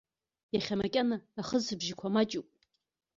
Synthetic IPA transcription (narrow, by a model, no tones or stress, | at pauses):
jaχʲamakʲʼanaːχəzɨbʒɪkʷʰamat͡ʃʼupʼ